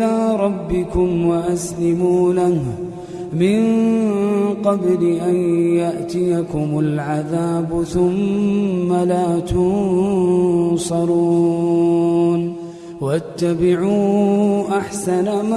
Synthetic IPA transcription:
aːɾˤɑbːɪkʊmwaʔaslɪmuːlah | mɪn | qɑblɪʔanjaʔt̪ɪjakʊmʊlʕaðaːbʊθʊmː | alaːt̪ʊn | sˤɑɾˤu | n | waʔat̪ːabɪʕuːʔaħsanam

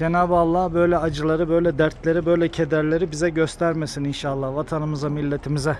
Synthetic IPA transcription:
d͡ʒenaːbɯalˠːaːbø̞jlʲɛad͡ʒɯlˠaɾɯbøjlʲɛd̪æɾt̪ʰlʲeɾibøjlʲɛcʰe̞d̪æɾlʲe̞ɾibizɛɟøst̪ʰæɾmesininʃaːlˠːahvat̪ʰanɯmɯzamilʲːet̪ʰimizɛ

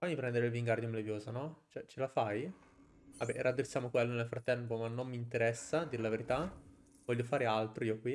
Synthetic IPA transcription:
amd̪ipɾɛnd̪eɾeilviŋɡard̪jomlevjoːzanɔt͡ʃɛt͡ʃelafaj | abːɛɾʔad̪ːesːjaːmokwelːonelfɾat̪ːɛmpomanːomːint̪eɾɛsːad̪iɾelaveɾit̪a | vɔʎːofaːɾealt̪ɾoiːokwi

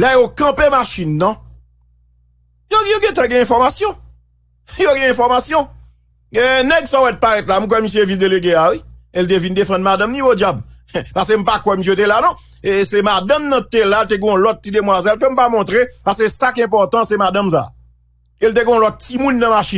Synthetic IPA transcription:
lɛjokɐ̃pemaʃinːɐ̃ | jojoɡɛ̃t̬ãɡɛ̃ɛ̃fɔʁmasjɔ̃ | joɡɛ̃ɛ̃fɔʁmasjɔ̃ | enɛɡsɔ̃wɛt̪̚paʁɛt̪lam̩k̬wɛmis̬jevis̬d̪eleɡeawielt̪̬evind̪efɑ̃d̪mad̪ãmnĩvod͡ʒjabpaʁs̬kem̩pakwɛmis̬jet̪̬elanɔ̃ | esemad̪ãmnɐ̃t̪elalt̪̬eɡɔ̃ɔ̃lɔt̪̚ːid̪emwazɛlk̬øm̩pamɔ̃t̪ʁepaʁskøsakiɛ̃pɔʁt̪ɑ̃sɛmadãmsa̰ | elt̬eɡɛ̃ɔ̃lɔt̪̚ːimũnːɐ̃maʃi

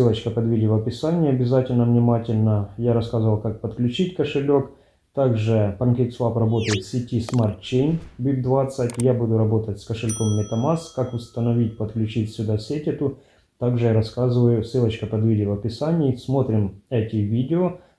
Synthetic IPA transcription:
sɨlˠət͡ɕkəpɐd̪vʲidʲɪvɐɐpʲɪsanʲɪjɐbʲɪzatʲɪlʲnəvnʲɪmatʲɪlʲnəjaɾɐskazɨvɐlˠkak̚pət̪klʲʉt͡ɕitʲkəʂɨlʲo̞k | t̪aɡʐɨpɐnkʲet̪slˠaprɐbo̞t̪əjɪt̪sʲɪtʲismart̪t͡ɕejnʲbʲib̚d̪vat̪sətʲjabud̪ʊɾɐbo̞t̪ətʲskəʂɨɪlʲkomːʲɪt̪ɐmaskakʊst̪ənɐvʲitʲpət̪klʲʉt͡ɕitʲsʲʊd̪asʲetʲɪt̪ʊ | t̪aɡʐɨjaɾɐskazɨvəjʊsɨlˠət͡ɕkəpɐd̪vʲidʲɪvɐpʲɪsanʲɪːsmo̞t̪ɾʲɪmɛtʲɪvʲidʲɪo

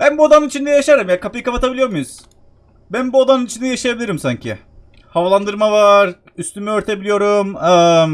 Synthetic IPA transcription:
b̥ænbuad̪anɯnit͡ʃʰind̪ɛjaʃaɾɯmjakʰapɯjɯkapat̪ʰabilʲijo̞ɾmujuz̥ | bænbuod̪anɯnit͡ʃʰind̪ɛjaʃajabilʲiɾimsaɲcʰɪ̰ | havalˠand̪ɯɾmavaɾ | yst̪ymyøɾt̪ʰe̞bilʲijo̞ɾumɯ

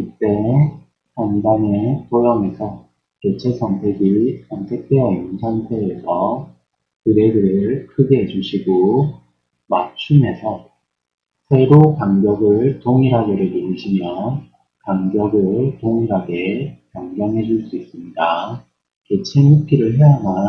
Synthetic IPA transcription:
kɯt͈e̞ | taŋdaŋetojʌme̞sʰʌ | ke̞t͡ɕʰe̞sʰʌŋtʰe̞ɡisʰʌŋtʰe̞k̚t͈e̞ʌiŋsʰantʰeːsʰʌ | kɯɾe̞ɡɯɾɯɭkʰɯɡeɦed͡ʑuɕʰiɡo | mat͡ɕʰume̞sʰʌ | sʰe̞ɾokaŋɡjʌɡɯɭtoŋiɾaɡe̞ɾɯɭnoɾiɕʰimjʌ | kaŋɡjʌɡɯɭtoŋiɾɦaɡe̞kaŋɡjʌŋɦe̞d͡ʑuɭs͈uis͈ɯmɲida | ke̞t͡ɕʰenhupʰiɾɯɭɦe̞ama

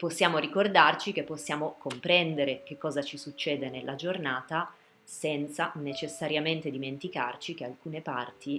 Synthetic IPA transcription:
posːjaːmoɾikord̪art͡ʃik̟epːosːjaːmokompɾɛnd̪eɾekekːɔːzat͡ʃisut͡ʃːeːd̪enelːʔad͡ʒornaːt̪a | sɛnt̪sanet͡ʃesːaɾjament̪ed̪iment̪ika̰rt͡ʃikealkuːnepa̰rt̪ʰi

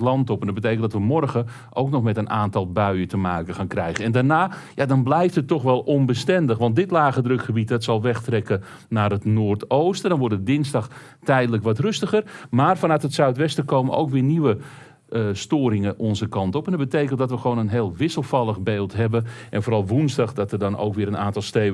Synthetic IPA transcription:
lɑntɔpɛndɔd̚bət̬ejkəntdɑtʋəmɔrɣə | ʔowknɔxmɛtənʔaːntɑlˠbœɥətəmaːkəxaːnkrɛjɣənɛndanaːjadɑnblɛjftətːɔxʋɛlˠɔnbəstɛndəxʋɑnt̚dɪtlaːɣədrɵkxəbit̚dɔtsɑlˠʋɛxtrɛkə | naːrɦətnoːrtowstədɔnʋʊrdədɪnsdɑx | tɛjdələkʋɔtrøstəɣərmaːrfanœtɦətsœɥtʋɛstəkoːməʔo̰wkʋɪːniʋə | əstoːɾɪŋəʔɔnzəkɑntɔpɛndɑd̚bətejkənt̚dɔtʋəxəʋownənɦeːlˠʋɪsəlˠfɑlˠəɣbeːlˠtɦɛbənʔɛnfoːɾɑlˠʋunzdɑχdɑtədɔno̰wkʋɪːɾənaːntɑlˠsteː

